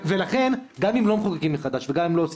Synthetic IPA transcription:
velaχe̞nɡamimlo̞meχukakimːeχad̪aʃveɡamimlo̞ːs

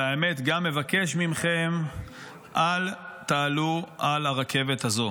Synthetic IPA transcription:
aeme̞t̪ɡamːe̞vake̞ʃmimχem | ʔalt̪aːluʔalaʁakʰe̞vet̪hazo̞

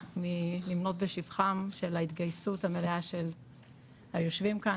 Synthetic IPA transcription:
milimno̞tbe̞ʃivχamʃe̞lait̪ɡajsuthame̞leaʃe̞l | hajo̞ʃvimka

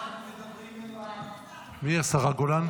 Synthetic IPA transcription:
miasaʁaɡolan

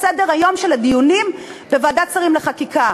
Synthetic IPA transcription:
sede̞ʁhajo̞mʃelad̪ijunimbevaːdat͡saʁimleχakika

